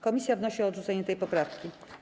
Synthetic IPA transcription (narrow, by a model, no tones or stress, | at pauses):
kɔmʲisʲjavnɔɕiɔːd̪ʐut̪sɛɲɛt̪ɛjpɔpɾafkʲi